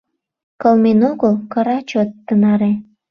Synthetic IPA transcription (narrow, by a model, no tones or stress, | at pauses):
kəlmenoɣəlkəɾɑt͡ɕot̪ːənɑɾe